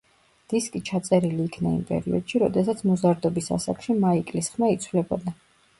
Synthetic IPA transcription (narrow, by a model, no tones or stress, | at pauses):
d̪̥iskʼit͡ʃʰat̪sʼɛɾiliːkʰnaḭmpʼɛ̰ɾḭɔd̪̥ʃiɾɔd̪ɛsat̪sʰmɔzaɾd̪ɔbisa̰sa̰kʰʃimaikʼlisχmait̪sʰwlɛbɔd̪a